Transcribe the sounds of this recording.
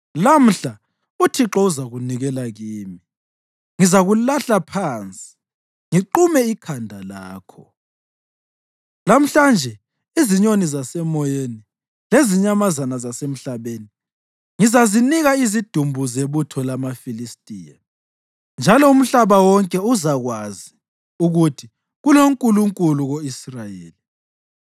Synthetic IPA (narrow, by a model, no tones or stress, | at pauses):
lam̩ɬa | utʰiǁɔuzaɣuniɣɛlaɣiːmi | ŋizaɣulaɬapʰaːnt͡sʼi̥ | ŋiǃumɛikʰandʱalaːkʰɔ | lam̩ɬand͡ʒʱɛ | iziɲonizasɛmɔjeni | leziɲamazanazasem̩ɬaβeni | ŋizaziniɣaizid̥ʱumbʱuzeβutʰɔlamafilistʼiːja̰ | nd͡ʒʱalɔum̩ɬaβawɔŋkʼɛuzaɣwazi | uɣutʰi | ɣuloŋkʼuluŋkʼuluɣoisrajeːli